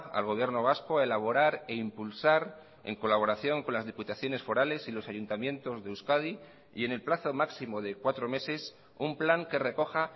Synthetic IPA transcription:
a̰lɣo̞β̞je̞ɾno̞β̞asko̞aelaβ̞o̞ɾaɾe̞impulsaɾ | e̞̰ŋko̞laβo̞ɾaθjo̞ŋkonlazðiput̪aθjo̞ne̞sfo̞ɾale̞silo̞saʝunt̪amjẽ̞nt̪o̞zðe̞uskað̞i | ḭe̞ne̞lplaθo̞maksimo̞ðe̞kwat̪ɾo̞me̞se̞s | umplaŋke̞re̞ko̞xa

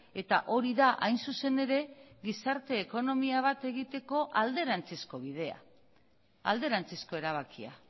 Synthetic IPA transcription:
e̞t̪aʔo̞ɾiðaʔajnsuse̞ne̞ɾe̞ɣisaɾt̪e̞ːko̞no̞miaβ̞at̪e̞ɣit̪e̞ko̞ʔald̪e̞ɾant͡sesko̞βið̞e̞a̰ | a̰ld̪e̞ɾant͡sisko̞e̞ɾaβ̞akia̰

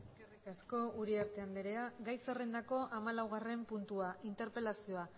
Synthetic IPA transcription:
eskerikasko̞uɾiaɾt̪e̞and̪eɾe̞aɡajsere̞nd̪ako̞ʔamalawɣ̞are̞mpunt̪uaint̪e̞ɾpe̞lasio̞a

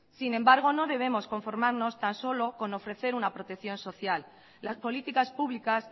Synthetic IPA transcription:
sinẽ̞mbaɾɣ̞o̞no̞ðe̞β̞e̞mo̞sko̞ɱfo̞ɾmaɾno̞st̪anso̞lo̞ko̞no̞fɾe̞θe̞ɾunapɾo̞t̪e̞kθjo̞nso̞θjalː | aspo̞lit̪ikaspuβlikas

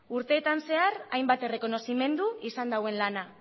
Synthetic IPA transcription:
uɾt̪e̞ːt̪anse̞arajmbat̪e̞re̞ko̞no̞sime̞nd̪uisand̪awe̞nlana

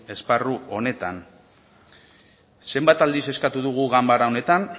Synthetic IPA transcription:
e̞sparuo̞ne̞t̪a̰n | se̞mbat̪ald̪ise̞skat̪uðuɣ̞uɣambaɾaone̞t̪an

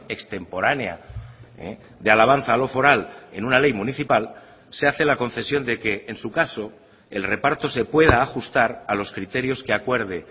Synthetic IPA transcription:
ekst̪e̞mpo̞ɾanea̰ḛ | d̪ealaβ̞an̟θaːlo̞fo̞ɾale̞̰nunale̞jmuniθipal | seaθelako̞n̟θe̞sjo̞nd̪e̞ke̞ʔːnsukaso̞ | elre̞paɾt̪o̞se̞pwe̞ð̞aːxust̪aɾalo̞skɾit̪e̞ɾjo̞ske̞akwe̞ɾð̞e̞

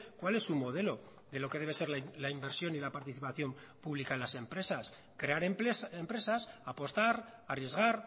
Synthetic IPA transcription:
kwale̞sːumo̞ðe̞lo̞ | ðe̞lo̞keðeβ̞e̞se̞ɾlalaimbe̞ɾsjo̞nilapaɾt̪iθipaθjo̞m | puβlikaenlase̞mpɾe̞sas | kɾe̞aɾpempɾe̞sasapo̞st̪aɾarje̞zɣ̞aɾ

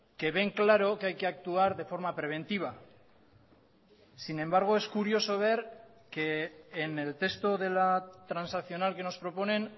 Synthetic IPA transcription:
ke̞βe̞ŋklaɾo̞keajkeak̚t̪uaɾðe̞fo̞ɾmapɾe̞β̞e̞nt̪iβ̞a | sine̞mbaɾɣ̞oeskuɾio̞so̞β̞eɾ | keːne̞lt̪e̞st̪oð̞e̞lat̪ɾansakθio̞nalke̞no̞spɾo̞po̞ne̞n

